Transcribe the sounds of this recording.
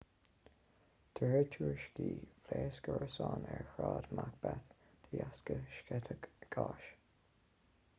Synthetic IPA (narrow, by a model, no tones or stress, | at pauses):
d̪̥ʰəhɛɹt̪ʰuːɹʃkiːfleːsɡəɹəsɑːnɛɹxɹɑːd̪mak̚b̥ɛθd̪̥əjaskəʃkɛt̪ʰəɡɡ̥ɑːʃ